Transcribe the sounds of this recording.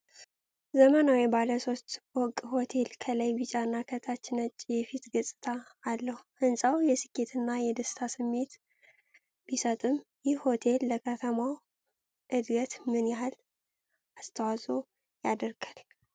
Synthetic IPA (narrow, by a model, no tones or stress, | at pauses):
zəmənawibaləso̞st̪wɔkʼho̞t̪ʰe̞lkʰələjbɨt͡ʃʼaɨnːakʰət̪ʰat͡ʃːɪnət͡ʃʼːjɛfit̪ɡəsʼɨ̥t̪ʰaːlːəhuhɨnsʼawjɛsɨkʰʼːe̞t̪ʰɨnːajɛd̪əsɨ̥t̪ʰasɨmːe̞t̪ | b̥isət̪ʼɨmjɪhho̞t̪ʰe̞lːəkʰət̪ʰəmaw | ʔɨd̪ɡət̪mɨnjhal | ast̪ʰəwazo̞ | jad̪əɾɡal